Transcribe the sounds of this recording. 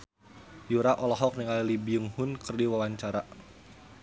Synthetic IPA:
juɾaʔɔlɔɦɔk̚niŋalilibiuŋhʊnkɨrdiwawaɲt͡ʃaɾa

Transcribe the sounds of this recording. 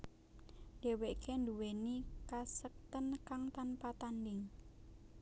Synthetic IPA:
deweʔkɛnd̪uwenikasək̚t̪ənkaŋt̪anpat̪andɪŋ

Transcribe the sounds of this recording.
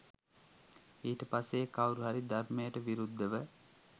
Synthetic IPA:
iːʈəpasːeːkawɾuɦaɾid̪armejəʈəʋiɾud̪ʱːəʋə

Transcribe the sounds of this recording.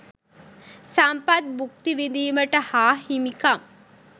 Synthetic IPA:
sɐmpɐt̪̚buk̚t̪iʋid̪iːmɐʈɐhaːɦimikɐm

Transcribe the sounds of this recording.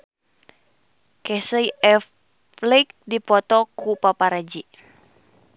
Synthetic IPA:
kɛsəjɛ | lik̚dipɔt̪ɔkupapaɾad͡ʒi

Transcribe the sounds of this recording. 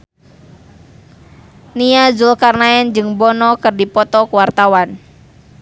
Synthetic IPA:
niazulkarnaɛnd͡ʒɨŋbɔnɔkɨrdipɔt̪ɔkuwart̪awan

